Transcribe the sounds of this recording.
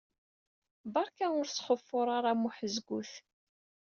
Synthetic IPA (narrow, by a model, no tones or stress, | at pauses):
bɑɾˤkæʊɾsχəfːʊɾˤaɾˤamuħəzɡuθ